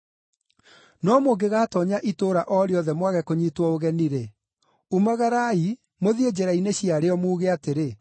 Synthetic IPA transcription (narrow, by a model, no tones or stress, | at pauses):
nɔmoɡeɣaːtɔɲaʔitoːɾaʔɔɾeɔðɛmwaɣɛkoɲiːtwɔoɣɛniɾe | umaɣaɾai | moðied͡ʑeɾaineɕiaɾeɔmuːɣeateɾe